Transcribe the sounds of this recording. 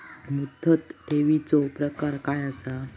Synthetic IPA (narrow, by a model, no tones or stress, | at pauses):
mud̪ʱːət̪ːeʋit͡sopɾəkaɾkajəsa